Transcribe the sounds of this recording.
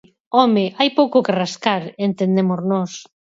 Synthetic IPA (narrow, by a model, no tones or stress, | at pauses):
ɔmɪʔajpowkʊkeraskaɾent̪end̪emoznɔs